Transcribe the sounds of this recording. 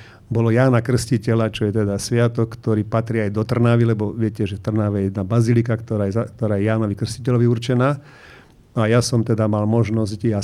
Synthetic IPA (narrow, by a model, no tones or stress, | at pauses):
bɔlɔjaːnakr̩scicɛlat͡ʃɔjɛt̪ɛd̪asʋɪat̪ɔkːt̪ɔɾiːpat̪ɾiajd̪ɔt̪r̩naʋilɛbɔʋɪɛcɛʒɛft̪r̩naʋɛjɛjɛd̪nabazilikakt̪ɔɾaːjɛak̚t̪ɔɾaːjɛjaːnɔʋikr̩scicɛlɔʋiuɾt͡ʃɛnaː | ajasɔmt̪ɛd̪amalmɔʒnɔzca